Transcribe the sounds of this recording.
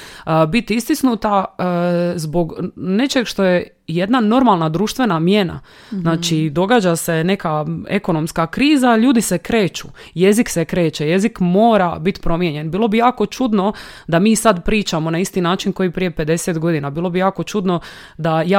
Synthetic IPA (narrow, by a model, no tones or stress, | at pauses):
bit̪ist̪isnut̪a | zbo̞ɡne̞t͡ʃe̞ɡʃt̪o̞je̞ | je̞d̪nano̞ɾmalˠnad̪ɾuːʃt̪ʋe̞namje̞na̰ | znaːt͡ʃid̪o̞ɡaːd͡ʒase̞ne̞kae̞ko̞no̞mskakɾiːzaʎuːd̪isekɾe̞ːt͡ʃṵje̞ziksekɾeːt͡ʃeje̞zikmo̞ːɾa̰bit̪pɾo̞mjeɲe̞nbiːlˠo̞bijaːko̞t͡ʃud̪no̞d̪amiːsad̪pɾiːt͡ʃamo̞naist̪inaːt͡ʃinko̞jipɾije̞pe̞d̪e̞set̪ɡo̞d̪inabiːlˠo̞bijaːko̞t͡ʃud̪no̞ | d̪aja